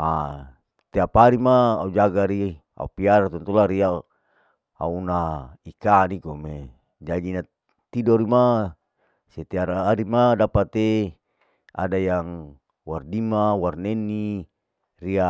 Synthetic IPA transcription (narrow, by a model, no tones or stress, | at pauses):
a | t̪eapaɾimaːud͡ʒaɡaɾi | a̰upiaɾat̪ɔnt̪ulaɾia | a̰unaikanikome | d͡ʒad͡ʒina | t̪idoɾima | set̪eaɾaːɾimadapat̪e | a̰dajaŋ | wardimawarnenːi | ria